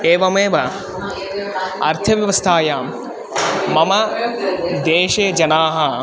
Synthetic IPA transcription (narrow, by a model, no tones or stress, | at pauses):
eːʋɐmeːʋɐ | ɐ̰ɾt̪ʰɐʋjɐʋɐst̪ʰaːjaːm | mɐmɐ | d̪eːʃeːd͡ʒɐnaːɦɐ